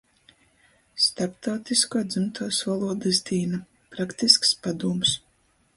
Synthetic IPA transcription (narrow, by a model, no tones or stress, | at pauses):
st̪aɾp̚t̪awt̪iskuɔd̪zɨmt̪ʰuːsvɔlˠuɔd̪ɨzd̪iːna | pɾakt̪iskspad̪uɔms